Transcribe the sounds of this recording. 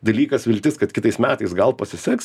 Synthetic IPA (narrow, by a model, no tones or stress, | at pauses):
d̪ɐlʲiːkɐsʋʲɪlʲt̪ʲɪskɐt̪kʲɪt̪ɐɪsmʲæːt̪ɐɪsɡɐlˠpɐsʲɪsʲɛks